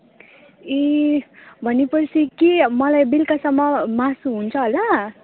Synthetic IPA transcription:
e | bʱʌnepʌt͡sʰikemʌlajbilkasʌmːʌmasuɦunt͡sʰʌɦola

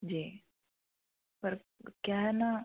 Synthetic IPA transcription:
d͡ʒiː | pɐɾ | kjaːɦɛna

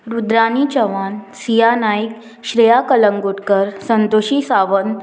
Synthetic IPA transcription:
ɾud̪ɾanit͡ɕəʋansijanaik | ɕɾejakələŋɡoɽkəɾsənt̪oɕisaʋən

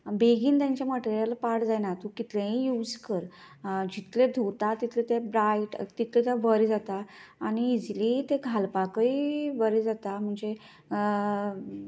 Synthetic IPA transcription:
beɡiːnt̪jãɲt͡ɕjaməʈeɾjalapaɽd͡zajnat̪ukit̪lẽɦĩjuːd͡zkəɾ | d͡ʑit̪led̪ʱot̪at̪it̪ʰlet̪ebɾaiʈt̪it̪ʰlet̪aʋəɾid͡zat̪aːñiːd͡zlit̪eɡʱalpakəiʋəɾid͡zat̪am̤əɳd͡ze

